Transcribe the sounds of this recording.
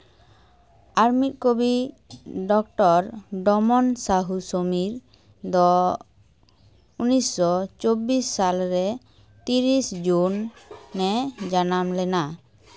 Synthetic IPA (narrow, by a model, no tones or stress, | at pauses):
aɾmit̪̚ˀkobi | ɖɔk̚ʈɔɾɖɔmɔnsaɦusomiɾ | d̪ɔ | unisːɔt͡ʃobisːalɾɛ | t̪iɾisd͡ʒunːɛd͡ʒanamlɛna